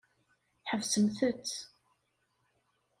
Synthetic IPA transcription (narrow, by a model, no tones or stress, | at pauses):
ħəvsəmθət͡sː